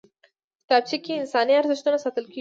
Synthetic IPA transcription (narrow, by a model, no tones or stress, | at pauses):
kɪ̥t̪ab̚t͡ʃikeɪnsɑniaɾzɪʃt̪unasɑt̪əlke